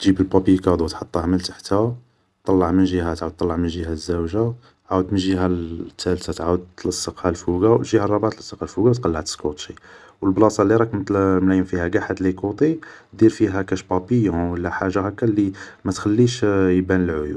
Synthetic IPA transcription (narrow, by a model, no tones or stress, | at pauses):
t̪ʒibəlbɑpikɑd̪ˤut̪ħɑt̪ˤːɑhməlt̪ḁħt̪hæ | t̪ˤːɑlːɑʕmənʒihæt̪ʕawəd̪t̪ːˤɑlːɑʕmənʒihæzːæwʒa | ʕawəd̪mənʒiɦæt̪ʰːælt̪at̪ʕawəd̪̚t̪ːlɑsˤːəqhælfuɡawʒihærˤːɑbʕat̪lɑsˤːɑqhælfuɡawt̪qɑlːaʕt̪ə̥skut̪ˤʃi | wəlblɑsˤɑlːiɾˤɑkmmlæjəmfihæɡaħad̪likut̪ˤid̪iɾfiɦækæʃbɑpijwəlːæħaʒːahækːælːimæt̪xælːiʃjbænəlʕʊju